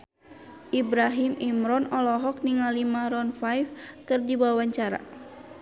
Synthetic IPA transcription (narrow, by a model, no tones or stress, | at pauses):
ʔibɾaɦimimɾɔnɔlɔɦɔk̚niŋalimaɾɔnfajfkɨrdibawaɲt͡ʃaɾa̰